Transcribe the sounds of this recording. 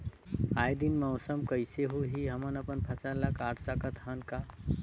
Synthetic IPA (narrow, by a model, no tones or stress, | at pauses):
ajd̪inməwsəmkəjseɦuɦiɦəmənəpənpʰəsalakaʈsəkət̪ɦənka